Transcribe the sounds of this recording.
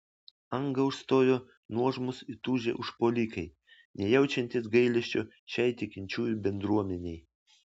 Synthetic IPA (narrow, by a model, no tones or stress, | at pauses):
ɐŋɡɐʊʃst̪oːjoː | nuɔʒmʊsɪt̪uːʒʲḛʔʊʃpoːlʲiːkɐɪ | nʲɛjɛʊt͡ʃʲɛnʲt̪ʲɪsɡɐɪlʲɛʃʲt͡ʃʲoː | ʃʲɛɪt̪ʲɪkʲɪnʲt͡ʃʲuːjubʲɛnd̪ɾuɔmʲɛnʲɛɪ